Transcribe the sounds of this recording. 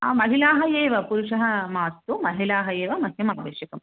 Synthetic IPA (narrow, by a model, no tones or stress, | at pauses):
a̰ːmɐɦilaːɦɐjeːʋɐpuɾuʂɐɦɐmaːst̪umɐɦilaːɦɐjeːʋɐmɐsjɐmaːʋeːʂjɐkɐm